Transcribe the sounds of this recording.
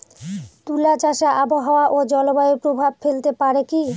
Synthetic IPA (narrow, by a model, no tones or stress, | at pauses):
t̪ulat͡ɕaʃaʔaboɦaoaʔod͡ʑɔlobaopɾobʱabfelt̪epaɾeki